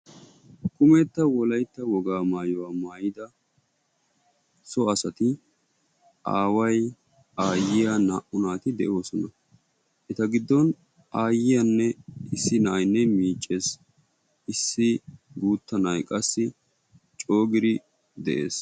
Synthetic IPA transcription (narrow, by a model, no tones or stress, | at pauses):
kʊmɛt̪ːɐwɔlɐjt̪ːɐwɔɡaːmaːjɔwaːmaːjɪd̪ɐ | sɔɐsɐt̪ɪ | ʔa̰ːwɐj | aːjɪjanaːʔʊnaːt̪ɪd̪ɛʔo̞ːsɔnɐ | ʔɛt̪ɐɡɪd̪ːɔn | aːjɪjɐnːɛɪsːɪnɐːjnːɛmiːt͡ʃʼːeːs | ʔɪsːɪɡuːt̪ːɐnɐjkʼɐsːɪ | t͡ʃʼo̞ːɡɪɾɪ | d̪ɛʔe̞̰ːs